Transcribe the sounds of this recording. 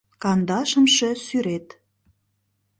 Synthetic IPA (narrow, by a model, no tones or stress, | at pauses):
kɑnd̪ɑʃə̆mʃĕsyɾet̪